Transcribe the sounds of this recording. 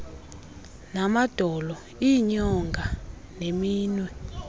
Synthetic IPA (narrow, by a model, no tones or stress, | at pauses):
namad̥ʱɔlɔ | iɲɔŋɡʱa | nemiːnwɛ